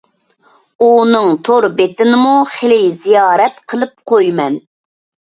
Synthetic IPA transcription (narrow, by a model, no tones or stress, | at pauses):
unɨŋt̪ʰoɾbet̪ɪnɪmuχelɪzijɑːɾɛt̪qʰəlˠɨp̚qʰojmɛn